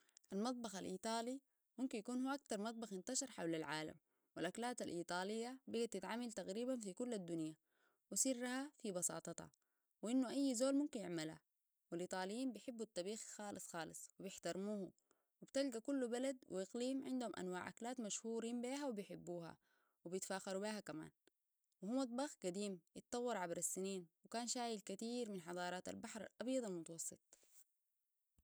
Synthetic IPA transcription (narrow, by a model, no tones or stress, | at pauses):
ʔalmɑt̪̚ˤbɑxalʔiːt̪ˤɑːli | mumkinjakuːnhuʔak̚t̪ɑɾˤmɑt̪̚ˤbɑxɪnt̪ɑʃɑɾˤħawlalʕaːla̰m | wilʔaklaːt̪alʔiːt̪ˤɑːlijːabiɡat̪it̪ʕamːalt̪aɣɾiːbanfikulːad̪ːunja | wisirːahafibɑsɑ̰ːt̪ˤɑt̪hɑ̰ | wʔinːuʔajːzoːlmumkinjɪʕmalha̰ | wilʔiːt̪ˤɑːlijːiːmbijħɪbːut̪ːɑbiːxxɑːlɨsˤxɑːlɨsˤwibjɪħt̪ɑɾˤmuːhu | wibt̪alɡakulːubalad̪wḭʔɪqliːmʕɪnd̪humʔa̰nwaːʕa̰klaːt̪maʃhuːɾiːmbiːɦawibijħɪbːuːha̰ | wibjɪt̪faːxɑɾubiːhakama̰ːn | wɪhumːat̪̚ˤbɑxɡad̪iːmjɪt̪ˤt̪ːˤɑwːɑɾˤʕabɾasːiniːnwɪkaːnʃaːjilkat̪iːɾminħɑd̪ˤɑːɾˤɑːt̪a̰lbaħɾˤa̰lʔɑbjɑd̪ˤalmʊt̪ɑwɑsˤːɨt̪ˤ